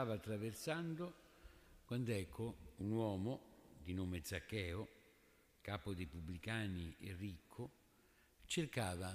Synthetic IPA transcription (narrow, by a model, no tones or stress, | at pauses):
aːvat̪ːɾaversand̪o | kwand̪ɛkʰːounwɔːmod̪inoːmed̪zakːɛːo | kaːpod̪epubːlikaːnierːikʰːʊ | t͡ʃerkaːva